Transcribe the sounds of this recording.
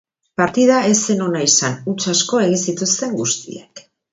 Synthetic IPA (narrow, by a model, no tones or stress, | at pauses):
paɾt̪iðae̞se̞no̞naisanut͡sasko̞e̞ɣ̞insit̪ust̪e̞ŋɡust̪ḭek